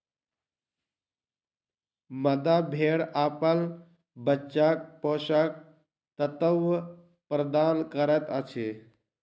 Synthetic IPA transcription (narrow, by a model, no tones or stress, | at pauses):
məd̪abʱeːɽaːpəl | bətːt͡ʃak̚poːʃak̚ | t̪ət̪əw | pɾəd̪aːnkəɾət̪ət͡ʃʰe